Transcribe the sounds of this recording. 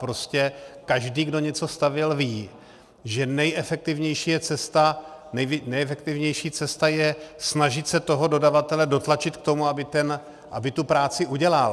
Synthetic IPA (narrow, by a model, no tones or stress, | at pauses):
pɾo̞scɛkaʒdiːɡdo̞ɲɛt͡so̞st̪avjɛlviː | ʒɛnɛjʔɛfɛk̚t̪ɪvɲɛjʃiːjɛt͡sɛst̪anɛjnɛjɛfɛk̚t̪ɪvɲɛjʃiːt͡sɛst̪ajɛsnaʒɪt̪sɛt̪o̞ɦo̞do̞davat̪ɛlɛdo̞t̪lat͡ʃɪt̪k̚t̪o̞muabɪt̪ɛn | ʔa̰bɪt̪upɾaːt͡sɪʔuɟɛlal